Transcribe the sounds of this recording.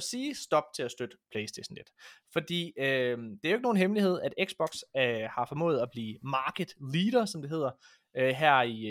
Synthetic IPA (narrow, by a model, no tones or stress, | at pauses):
siːsd̥ɒ̽b̥̚t͡sʰe̝æsd̥ød̥əpʰlesd̥eɕnle̝d̥fɒ̽d̥ḭːød̥eæoeɡəno̝ːn̩ɦemlihe̝ð̞̰ˠæd̥eɡ̥sb̥ɒ̽ɡ̥shɑ̈fɒ̽mɔ̰ːð̩ˠæb̥liːmɑ̈ːɡ̥əd̥liːd̥ɐsɒ̽md̥e̝ɦe̝ð̰ˠɐ | øɦæɐ̰i